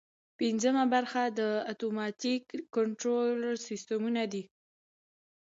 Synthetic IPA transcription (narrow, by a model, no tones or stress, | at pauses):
pinzəmabaɾxad̪əat̪omɑt̪ikːəɳʈɾolsist̪əmunad̪i